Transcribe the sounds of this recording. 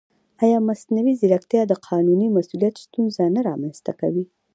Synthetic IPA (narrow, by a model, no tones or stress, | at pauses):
ɑjɑmasnawizɪlakt̪jɑd̪əqʰɑnunimasulijat̪st̪unzanaɾɑ̰manst̪a̰ka̰wi